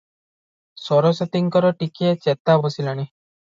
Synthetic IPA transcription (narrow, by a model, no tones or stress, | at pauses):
sɔɾɔset̪iŋkɔɾɔʈikiet͡ʃet̪abɔsilɔɽ̃i